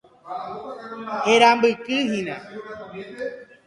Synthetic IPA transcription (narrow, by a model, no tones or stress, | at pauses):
heɾambɨkɨɦĩnẽ